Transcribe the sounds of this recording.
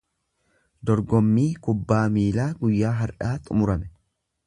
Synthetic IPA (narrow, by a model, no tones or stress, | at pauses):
d̪ɔɾɡɔmːiːkʊbːaːmiːlaːɡʊjːaːɦɐɾᶑaːt̪ʼʊmʊɾɐmɛ